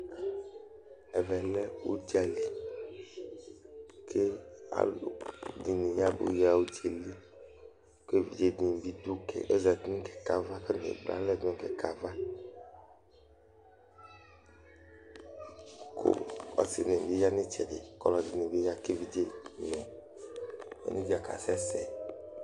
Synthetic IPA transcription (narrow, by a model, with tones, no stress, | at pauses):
ɛ˨vɛ˨lɛ˦wo̰˦d͡ʒi˦a˨li˨ | kʰe˦a̰˨lo˨di˨nĩ˨ja˦bo̰˨˦ja˨wu˦t͡ʃe˨li˦ | ke˦vi˨d͡ʒe˦d̪i˨n˨bi˦d̪u˦kɛ̰˨ʔe˦za˨d̪ĩ˦kɛ̥˨ka˨va˦ke˦n˨ḛ˨bla̰˦lɛ˦˨dkɛ˨ka˨va˦ | kʰo̰˦˨a̰˨se˨nẽ˨bi˦ja˦nẽ˦t͡ʃɛ˨dḛ˨kɔ˦lɔ˨d̪i˨nẽ˨bi˦ja˦ke˦vi˨d͡ʒe˦nɔ̃˨ | ḛ˨nũ˦d͡ʒi˨a˨ka̰˨sɛ˦sɛ˨